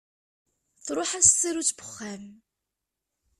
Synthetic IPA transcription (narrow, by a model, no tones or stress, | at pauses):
θɾˤʊħæst̪ːiɾut͡sːbəχːæm